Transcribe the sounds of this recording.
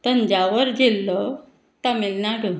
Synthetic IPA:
t̪ənd͡ʑaʋəɾd͡ʑelːɔ | t̪amelnaɡə

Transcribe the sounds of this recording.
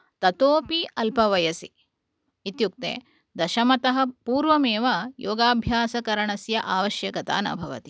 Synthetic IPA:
t̪ɐt̪oːpiʔɐlpɐʋɐjɐsi | it̪juk̚t̪ḛː | d̪ɐʃɐmɐt̪ɐɦɐpuːɾʋɐmeːʋɐjoːɡaːbʱjaːsɐkɐɾɐɳɐsjɐʔaːʋɐʃjɐkɐt̪a̰ːnɐ̰bʱɐʋɐ̰t̪i̥

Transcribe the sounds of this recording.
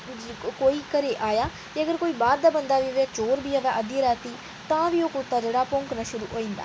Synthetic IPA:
koːiːkəɾeːʔaːjaː | t̪eːəɡəɾkoːiːbaːɾd̪aːbənd̪aːʋiːəʋɛ̃ːt͡ʃoːɾbiːəʋɛ̃ːʔəd̪jeɾaːt̪iː | t̪ãːʋiːokʊt̪ːaːd͡ʒeːɽaːpʊ̃ŋknaːʃʊɾṵːɦoːĩːnd̪a̰ː

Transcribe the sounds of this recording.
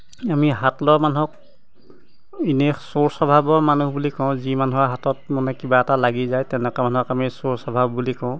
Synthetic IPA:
amiɦatlɔɹmanuɦɔk̚ | inexsoɹsɔbʱabɔɹmanuɦbulikɔʊ̃zimanuɦɔɦatɔt̚mɔnɛkibaɛtalaɡizajtɛnɛkamanuɔkamisoɹsɔbʱabbulikɔʊ̃

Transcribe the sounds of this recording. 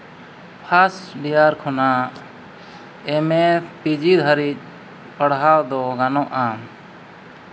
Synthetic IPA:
pʰasɖijaɾkʰɔna | ɛmɛpid͡ʒid̪ʱaɾic̚ˀ | pəɽɦawd̪ɔɡanɔ̃ʔa

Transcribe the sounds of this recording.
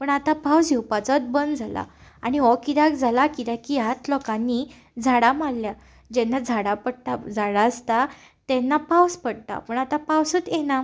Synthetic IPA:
pəɳat̪ãpawd͡ziwpat͡sət̪̚bənd̪d͡zʱala̰aɽ̃iɔkid̪akd͡zʱalakid̪akijat̪lɔkãnːi | d͡zʱaɽamalːja | d͡ʑɛnːad͡zʱaɽapəɽt̪ad͡zaɽaəst̪a | t̪ɛnːapawspəɽt̪a̰pəɳat̪apawsət̪jɛna

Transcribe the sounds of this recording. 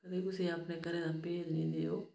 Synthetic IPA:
kəd̪eːkʊseːapneːkəɾẽːd̪aːpeːd͡ʒnĩːd̪eːoː

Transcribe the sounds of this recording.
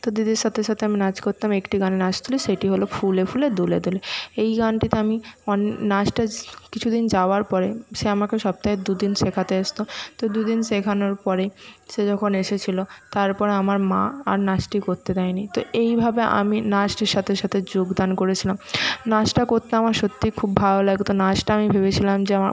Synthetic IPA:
t̪od̪id̪eɾʃat̪ʰeʃat̪ʰeaminad͡ʑkoɾt̪amekʈiɡanenad͡ʑt̪ʰuleʃeʈiɦolofulefuled̪uled̪uleejɡanʈit̪eamiɔnnasʈakit͡ɕʰud̪ind͡ʑaoaɾpɔɾeʃeamakeʃɔb̚t̪aed̪ud̪inʃekʰat̪eaʃt̪ot̪od̪ud̪inʃekʰanoɾpɔɾeʃed͡ʑɔkʰoneʃet͡ɕʰilot̪aɾpɔɾeamaɾmaa̰ɾnaʃʈikoɾt̪ed̪ajnit̪oejbʱabeʔa̰minaʃʈiɾʃat̪ʰeɾʃat̪ʰed͡ʑoɡd̪ankoɾet͡ɕʰilamnaʃʈakoɾt̪eamaɾʃot̪ːikʰubːʱalolaɡt̪onaʃʈaamibʱebet͡ɕʰilamd͡ʑeama̰

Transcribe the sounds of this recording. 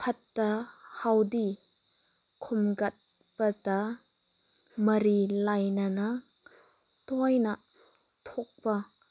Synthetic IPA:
pʰɐtːɐhɐwdi | kʰɔmɡɐt̪̚ | pɐtɐ | mɐɾilɐjnana | t̪ɔjnɐʔ | t̪ʰɔk̚pɐ

